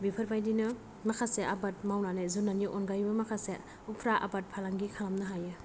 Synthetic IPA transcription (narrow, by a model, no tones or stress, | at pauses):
bipʰəɾbʰajdinɯ | makʰaseʔabat̚mawnanezunːaniʔɔnɡajbɯmakʰase | upʰɾaʔa̰bat̚pʰalaŋɡikʰalamnɯɦajɯ